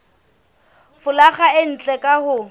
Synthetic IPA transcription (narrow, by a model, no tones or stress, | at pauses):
fʊlaχaɪn̩t͡ɬʼɛkʼahʊ